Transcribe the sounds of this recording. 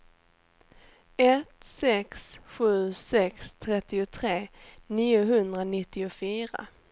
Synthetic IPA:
ɛt̪sɛksɧʉ̟ːsɛkst̪ʰɾɛt̪ːɪʊt̪ʰɾeːniːʊɦɵnd̪ɾanɪt̪ːɪʊfyːɾa̰

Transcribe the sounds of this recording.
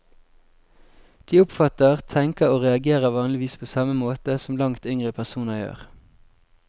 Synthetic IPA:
d̪̥iːʊpfɑt̪əʁt̪ʰɛŋkəʁoːʁɛɑɡeːʁəʋɑːnlɪʋiːspʰoːsɑməmoːt̪əsɔm̩lɑŋt̪ʏŋʁəpʰæʁsuːnəjø̰ːʁ

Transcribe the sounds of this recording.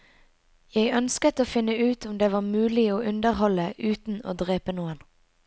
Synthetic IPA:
jeɪʔœnskət̪oːfɪnːəʉːt̪ʊmd̪eːʋɑːʁmʉːlɪoːʔʉnd̪əʁhɔləʉːt̪n̩o̰ːd̪ʁeːpənuːən

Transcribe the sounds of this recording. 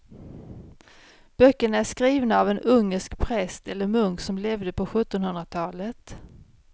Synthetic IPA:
b̥œkːəɳæʂkɾiːvnaːvɛnɵŋːəʂkpʰɾɛst̪ɛlːəɾmɵŋksɔmlɛvd̪əpʰɔɧɵt̪ːɔnhɦɵnɾat̪ʰɑːlət̪

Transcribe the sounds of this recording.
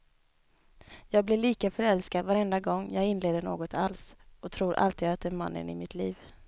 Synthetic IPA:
jɑːɡ̚blɪɭiːkafœɾɛlskad̪vaɾɛnd̪aɡɔŋːjɑːɡɪnleːd̪əɳoːɡɔt̪ʰalsɔt̪ʰɾuːɾʔa̰lt̪iːd̪at̪̚d̪ɛnma̰nːə̰nɪ̰mɪt̪ʰliːv

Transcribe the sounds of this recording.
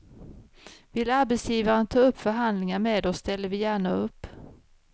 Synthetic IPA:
vɪlːaɾbɛt̪sjiːvaɾənt̪ʰɑːɵpːfœɾɦand̪lɪŋaɾmeːd̪ɔsst̪ɛlːəɾvɪjæːɳaɵpː

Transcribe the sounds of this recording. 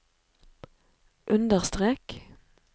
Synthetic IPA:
ʔʉnd̪əʁst̪ʁeːk

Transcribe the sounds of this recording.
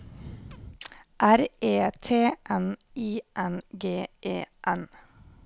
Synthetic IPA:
ʔæɾʔeːt̪ʰeːʔɛn | iːʔɛnɡeːʔeːʔɛn

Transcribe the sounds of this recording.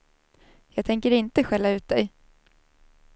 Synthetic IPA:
jɑːɡ̚t̪ʰɛŋkəɾɪnt̪əɧɛlːaʉ̟ːt̪̚d̪ɛj

